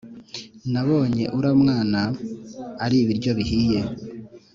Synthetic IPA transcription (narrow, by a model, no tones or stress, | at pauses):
naβo̞ːɲe̞̰ʔuɾamŋaːnaː | ɾiβiɾɟo̞βihiːje̞